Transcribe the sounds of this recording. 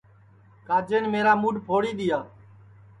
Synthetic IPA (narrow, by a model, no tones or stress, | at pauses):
kaːd͡ʒeːnmeːɾaːmuːɖpʰoːɽiːɗ̪ɪjaː